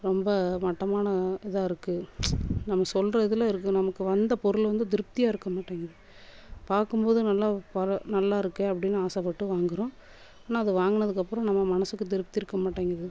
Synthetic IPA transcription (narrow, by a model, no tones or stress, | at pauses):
ɾɔmbɐmɐʈːɐmaːnɐɛðaːɪɾɯkːɯnɐmːɐsɔlɾɐɪðɪlɐɪɾɯk̬ːɯnɐmɐkːɯʋɐnd̪ɐpɔɾɯlʋɐnd̪ɯd̪ɪɾɯp̚t̪ɪjaːɪɾɯkːɐmaːʈːeːŋɡɐðɯ | paːɾkɯmpoːðɯnɐlːaːpɐɾɐnɐlːaːɪɾɯkːẽɐpːɐɽɪnːɯaːsɐpːɐʈːɯʋaːŋɡɪɾõː | aːnaːɐðɯʋaːŋɡɐɳɐðɯkːɐpːɯɾɔ̃nɐmːɐmɐnɐsɯkːɯd̪ɪɾɯp̚t̪ːɪɾɯkːɐmaːʈːeːŋɡɐðɯ